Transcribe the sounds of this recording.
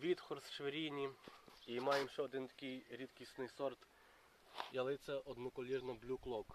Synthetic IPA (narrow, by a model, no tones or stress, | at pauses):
ʋʲit̪xɔɾsʃʋeɾʲinʲiimɑjemʃɛɔd̪ɪnt̪ɐ̥kʲijɾʲit̪kʲisnɪsɔɾt̪ | jalˠɪt̪sʲɛɔd̪nɔkɔlʲirnɔblʲuklˠɔk